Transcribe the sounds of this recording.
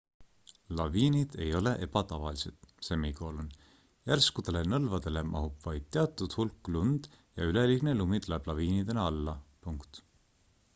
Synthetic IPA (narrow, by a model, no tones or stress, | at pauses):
lɑviːnid̪̥e̞jo̞le̞ʔe̞b̥ɑt̪ɑvɑ̰lise̞̰t̪semiko̞lun | jærskud̪e̞le̞nɤlvɑd̪̥e̞le̞mʔɑ̰ɦupvɑjd̪̥̚t̪ːeɑt̪ːˑud̪̥hulkːˑlund̪̥ | jɑ̰yleliɡ̥nelumid̪̥lɑeb̥lɑviːnid̪e̞neɑlːɑpuŋkt̪